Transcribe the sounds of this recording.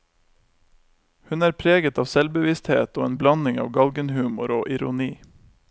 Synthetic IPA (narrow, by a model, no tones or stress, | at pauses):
hʉnæːɾpʰɾeːɡət̪ɑːʋsɛlbəʋɪst̪hḛːt̪oːeːnblɑnɪŋɑ̰ːʋɡɑlɡənhʉːmʊɾoːʔɪɾʊniː